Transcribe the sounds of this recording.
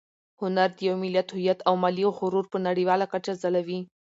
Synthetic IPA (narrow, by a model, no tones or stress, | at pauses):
hʊnaɾd̪əjawmɪljat̪hʊjat̪awmɑlixʊɾuɾpənaɽiwɑlakat͡ʃazalawi